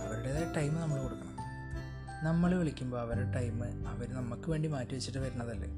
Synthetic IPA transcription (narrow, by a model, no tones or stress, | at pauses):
ɐʋɐɾuɽeðeʈɐjmːɨnɐmːɐɭkuɽukːɐɳɐm | nɐmːɐɭeoɭikʲːumbo̞ːɐʋɐɾeʈɐjmːɨɐʋɐɾnɐmːɐkːɨʋe̞ːɳɖimaːtːiʋɐt͡ɕːiʈːɨʋɐɾuɳːɐðɐlːḛ